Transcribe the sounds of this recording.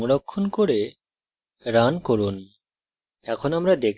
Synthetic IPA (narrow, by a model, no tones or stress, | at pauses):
mɾɔkʰːonkoɾe | ɾankoɾun | ɛkʰonamɾad̪ekʰ